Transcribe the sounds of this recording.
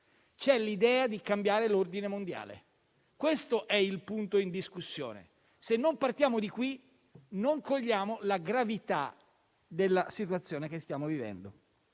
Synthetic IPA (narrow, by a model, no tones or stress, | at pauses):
t͡ʃɛlid̪ɛːad̪ikambjaːɾelord̪inemond̪ja̰ːlḛ | kwest̪oʔɛilpunt̪oind̪iskusːjo̰ːnḛ | senːompart̪jaːmod̪ikwi | noŋkoʎːaːmolaɡɾavit̪a̰ | d̪elːasit̪uwat̪sːjoːnekest̪jaːmovivɛ̰nd̪o̰